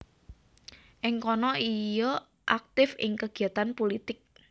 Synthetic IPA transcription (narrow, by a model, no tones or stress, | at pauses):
ʔɪŋkɔnɔʔijɔ | ʔak̚t̪ɪfɪ̰ŋkəɡ̥iat̪anpolit̪ɪk̚